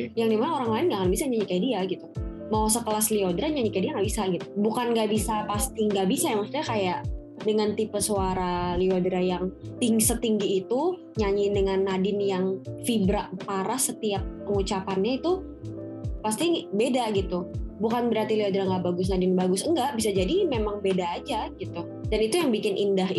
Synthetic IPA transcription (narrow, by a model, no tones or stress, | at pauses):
jaŋdimanaoɾaŋlaɪnɡaʔkanbisaɲaɲikajdiaɡit̪u | maosəkəlasliodɾaɲaɲikajdiaŋɡaʔbisaɡit̪ubukanɡaʔbisapast̪iŋɡaʔbisajamak̚su̥t̪ɲakajaʔ | dəŋant̪ipəsoaɾaliodɾajaŋt̪iŋɡisət̪iŋɡiːt̪u | ɲaɲidəŋanːadɪnjaŋfibɾapaɾahsət̪iap̚pəŋut͡ʃapanɲait̪u | past̪ibedaɡit̪ubukanbəɾart̪iliodɾaŋɡaʔbaɡʊs̬nadɪnbaɡʊsəŋɡaʔbisad͡ʒadimemaŋbedaːd͡ʒaɡit̪u | danit̪ujaŋbikɪnʔindaɦ